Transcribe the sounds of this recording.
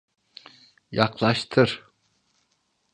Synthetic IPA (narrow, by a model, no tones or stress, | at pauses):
jɑqlˠɑʃt̪ʰɯɾ